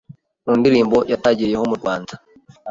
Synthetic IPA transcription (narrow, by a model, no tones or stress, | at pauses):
muːndiɾiːmbo̞jataɟiɾijehomuɾɡwaːnzḁ